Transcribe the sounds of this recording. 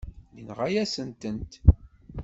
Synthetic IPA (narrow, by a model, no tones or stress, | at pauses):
linʁæjæsənt̪ənt̪